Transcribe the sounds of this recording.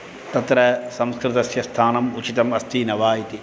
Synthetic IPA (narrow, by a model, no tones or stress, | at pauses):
t̪ɐt̪ɾɐsɐmskɾɪt̪ɐsjɐst̪ʰaːnɐmʊt͡ʃʰit̪ɐmɐst̪iːnɐʋaːit̪i